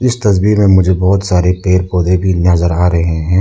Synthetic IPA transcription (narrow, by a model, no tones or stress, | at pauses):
ɪst̪ɐsbimẽmʊd͡ʒʱebɔːʊt̪saːɾepeːɾpoːd̪ebʱinɐzəɾaːɾɐɦeɦɛ̃ː